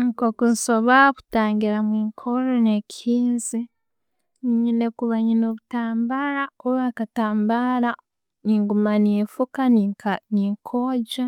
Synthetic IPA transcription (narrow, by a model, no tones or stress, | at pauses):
ŋikokunsoβaβu̥taːŋɡiɾamwiːŋkʰoɾonekʰiːnzi | ɲinekuβaɲinoβutaːmbaɾauβaːkataːmbaɾa | niŋɡumanefukanniːŋkʰoːɟa